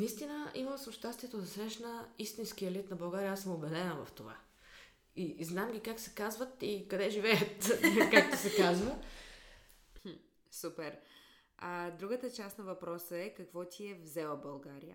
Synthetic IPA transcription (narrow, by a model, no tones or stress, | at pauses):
nist̪inəiməsʊʃt̪ast̪viɛt̪od̪ɐsɾɛʃnəist̪insk̟iəɛlit̪nɐbɐlˠɡaɾijəasəmobɛd̪ɛnəvɐ̰ft̪ova̰ | iznamɡʲikaksɛ̥kazvət̪ikɐd̪ɛʒivɛjət̪kak̚t̪o̥sɛkazvə | supɛɾ | ad̪ɾuɡət̪ət͡ʃast̪nɐvɐpɾɔsəɛkɐkvɔt̪ʲʰiɛvzɛlˠəbɐlˠɡaɾijə̰